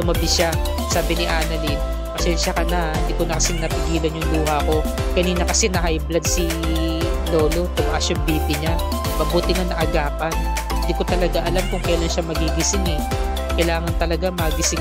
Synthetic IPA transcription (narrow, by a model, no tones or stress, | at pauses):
ʊmɐbɪʃa | saːbɪnɪʔaːnɐlin | pɐʃɛnʃɐkɐnahɪnd̪iːkonɐkɐsɛnɐpɪɡiːlɐnjʊŋluːɦɐko̞ | kɐniːnɐkɐsɛnɐhajblad̪̚si | loːlot̪ʊmɐʔasjʊŋbiːbɪɲa | mɐbuːt̪ɪŋɐnɐʔɐɡaːpɐn | hɪnd̪iːko̞t̪ɐlɐɡaʔɐlamkʊŋkɐjlanʃamɐɡiɡɪsɪŋɛ | kɐjlaːŋɐnt̪ɐlɐɡamɐɡɪsɪŋ